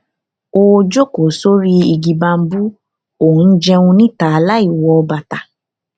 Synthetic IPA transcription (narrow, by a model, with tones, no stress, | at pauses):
o˧d͡ʒo˦ko˨so˦ɾi˦i˧ɡi˧ba˧m̩˦bu˦ | o˨ũ˨˧n̩˦d͡ʒɛ˦˧ũ˧nĩ˦˨ta˨a˨la˦i˦˨wɔ˧ɔ˧ba˨ta˨